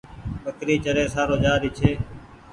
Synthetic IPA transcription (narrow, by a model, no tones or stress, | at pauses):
ɓəkɾiːt͡ʃəɾeːsaːɾoːd͡ʒaːɾiːt͡ʃʰeː